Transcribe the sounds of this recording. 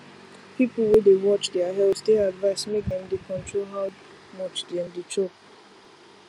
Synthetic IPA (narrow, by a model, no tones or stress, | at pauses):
pipl̩ˠwedewɔt͡ʃdɛaɦɛlsdeadvaɪsmek̚dɛ̃mdekʰɔ̃ntɹolɦaʊ | mɔt͡ʃdɛ̃mdet͡ʃop